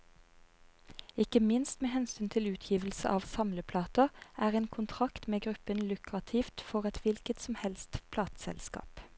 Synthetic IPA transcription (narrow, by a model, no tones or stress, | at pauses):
ɪkəmɪnst̪meːhɛnsyːnt̪ʰɪlʉːt̪ʰjiːʋəlsə̰ʔɑːʋsɑmləpʰlɑːt̪əʔæːʁeːnkʰʊnt̪ʰʁɑkt̪meːɡʁʉpənlʉkʁɑt̪ʰiːft̪fɔʁɛt̪ʋɪlkət̪sɔmhɛlst̪pʰlɑːt̪sɛ̰lskɑ̰ːp